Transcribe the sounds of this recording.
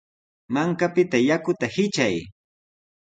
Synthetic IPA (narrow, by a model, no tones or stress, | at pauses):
maŋkapɪt̪ajakʊt̪ahɪt͡ʃaj